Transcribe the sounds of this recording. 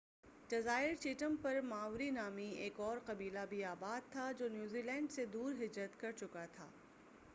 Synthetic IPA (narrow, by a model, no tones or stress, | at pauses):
ɖɐzaːɪɾt͡ʃiːʈəmpɐɾmaːʊɾinaːmieːkɔːɾqɐbiːlabʱiaːbaːd̪̚t̪ʰad͡ʒoːnjuːziːlɛ̃ːɳɖsed̪uːɾɦɪd͡ʒɾət̪kɐɾt͡ʃʊkat̪ʰa̰ː